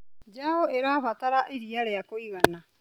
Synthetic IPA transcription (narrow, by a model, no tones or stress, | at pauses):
d͡ʒahoeɾaːβataɾaʔiɾiaɾejakoiɣana